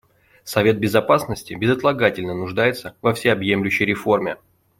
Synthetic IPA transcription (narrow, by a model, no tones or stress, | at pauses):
sɐvʲe̞t̪̚bʲɪzɐpasnəsʲtʲɪbʲɪzət̪lˠɐɡatʲɪlʲnənʊʐd̪ajɪt̪səvɐfsʲeɐbjemlʲʉɕːəjɾʲɪfo̞rmʲɪ